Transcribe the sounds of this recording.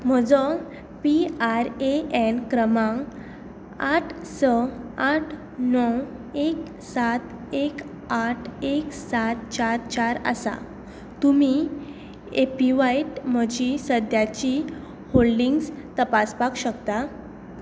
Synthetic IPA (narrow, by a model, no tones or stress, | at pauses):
m̤əd͡zɔ | piaɾeenkɾəmãŋ | aʈʰsəaʈʰ | nɔw | ek | sat̪ | ek | aʈʰeksat̪t͡ɕaɾt͡ɕaɾə̰sa̰ | t̪umi | epiʋajʈm̤əd͡ʑisəd̪jat͡ɕi | holɖiŋɡs | t̪əpaspakɕəkt̪a